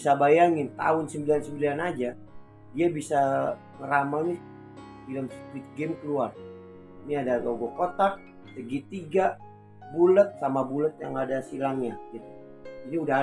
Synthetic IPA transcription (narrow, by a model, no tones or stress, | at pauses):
sabajaŋɪnt̪a̰ʊnsəmbilansəmbilanad͡ʒa | diabisa | ŋəɾamani | dilamskwɪt̪̚ɡɛmkəluar | iniadaɡoɡokot̪ak̚ | t̪əɡit̪iɡa | bulət̪̚samabulət̪̚ja̰ŋadasilaŋɲad͡ʒadi | d͡ʒadiuda